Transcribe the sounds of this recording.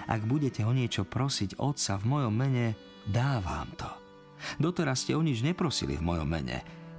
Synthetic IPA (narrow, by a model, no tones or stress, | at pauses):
ʔa̰ɡbuɟɛcɛɦɔɲɪɛt͡ʃɔpɾɔsiɟɔ̰t̪savmɔjɔmːɛɲɛ | d̪aːʋa̰ːmt̪ʰɔ̥ | d̪ɔt̪ɛɾasːcɛɔɲid͡ʒɲɛpɾɔsḭlḭvmɔjɔ̰mːɛ̰ɲɛ̰